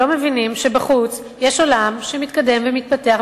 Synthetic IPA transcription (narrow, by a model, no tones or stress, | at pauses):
o̞mevinimʃebaχut͡s | jeʃo̞lamʃemit̪kade̞mvemit̪̚pate̞aχ